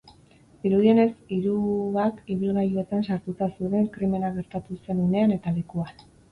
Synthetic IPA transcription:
iɾuðie̞ne̞siɾuβakiβilɣajue̞t̪ansaɾt̪ut̪asuðe̞ŋkɾime̞naɣ̞e̞ɾt̪at̪use̞nune̞ane̞t̪alekuan

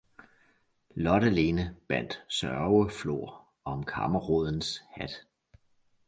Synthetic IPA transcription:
lɒ̽ɾæle̝ːnəb̥æn̰d̥sɶɐʊəflo̝̰ɐ̰ | ɒ̽mkʰɑ̈məʁoð̰ˠn̩shæd̥

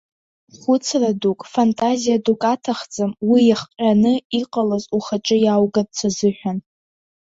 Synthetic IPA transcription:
χʷʊt͡sʰradukʼfantʼazijadukʼatʰaχt͡sʼamwijaχqʲʼanɨiqʼalazuχat͡ʃʼɨjawɡadt͡sʰazɨħᶣan

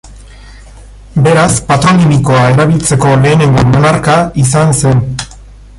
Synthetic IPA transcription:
be̞ɾaspat̪ɾo̞nimiko̞ae̞ɾaβ̞ilt͡se̞ko̞le̞ːne̞ŋɡomonaɾkais̬anse̞n

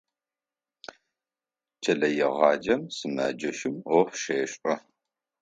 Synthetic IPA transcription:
t͡ʃʰɐɮɐjɛʁɑːd͡ʒɐmsɨmɐ̰ːd͡ʒɐʃɪmoħʷʃeːɕʼɐ

